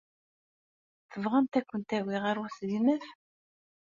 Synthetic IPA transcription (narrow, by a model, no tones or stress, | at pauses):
θəvʁænt̪ækʷːənt̪æwiʁaɾʊslimæf